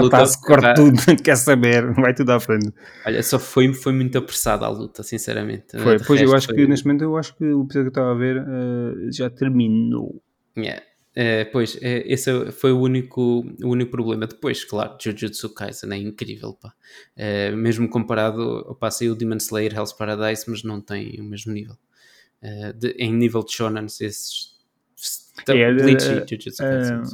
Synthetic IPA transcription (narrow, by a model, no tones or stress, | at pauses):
ɾˠut̪aaskɔɾtt̪uðuɐ̃t̪kɛɾsɐβeɾvajt̪uðafɾẽnt̪ | ɔʎɐ̰sɔfojmfojmũt̪ɐpɾɨsa̰ða̰lˠṵt̪ɐsĩsɛ̰ɾɐ̰mḛ̃nt̪fojʁpojʃewaʃukkɨneʃt̪mẽnt̪uewaʃu̥kɨuipizɔðjkeʃt̪avaveɾɛʒat̪ɨɾmino̰ | ɛ̰ | ɛpojʃɛʔesɛfojuunikuuunikupɾuβlˠemɐd̪ɨpojʃklˠa̰ɾuʒ̥uʒuðsuka̰jzɐ̰nɛ̃ĩŋkɾḭvɛ̰lˠpa | ɛmeʒmukõmpɐɾaðṵɐ̰pasɐiud̪imɐ̃nslˠejɾɛlˠspɐɾɐðajʃmɐʒnɐ̃w̃t̪ɐ̃j̃umeʒmunivɛlˠ | ɛd̪ɨʔẽj̃nivɛlˠd̪ʒɔnɐnʃesʃ | t̪ɛĩiʒuʒud̪sk